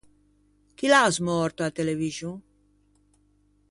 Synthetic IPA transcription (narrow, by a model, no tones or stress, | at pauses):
kilaazmɔɾt̪oat̪eleβiʒuŋ